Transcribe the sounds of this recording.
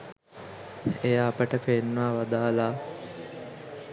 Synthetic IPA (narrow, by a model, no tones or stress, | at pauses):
ejaːpəʈəpenːʋaːʋad̪aːlaː